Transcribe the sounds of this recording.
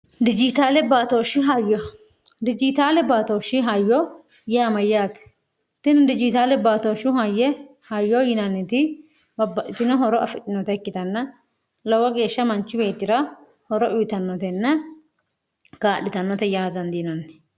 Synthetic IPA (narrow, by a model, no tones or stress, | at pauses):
d̪ɪd͡ʒɪt̪aːlɛbaːt̪oːʃɪɦɐjɔ | d̪ɪd͡ʒɪt̪aːlɛbaːt̪oːʃɪɦajːɔ | jɛɐmɐjːaːt̪ɛ̥ | t̪ːɪnd̪ɪd͡ʒɪt̪aːlɛbaːt̪oʃʊɦɐjːɛ | hɐjːɔjɪnɐnːɪt̪ɪ | bɐbːɐʔɪt̪ːɪnɔɦɔɾɔʔɐfɪt͡ʃʼːɪnːɔt̪ɛkːɪt̪ɐnːɐ | lɐwɐɡe̞ːʃːɐmɐnt͡ʃːɪbe̞ːt̪ːɪɾɐ | hɔɾɔʔʊjt̪ɐnːɔt̪ɛnːɛ | ɡaːɗɪt̪ɐnːɔt̪ɛjaːd̪ɐnd̪inɐnːɛ̥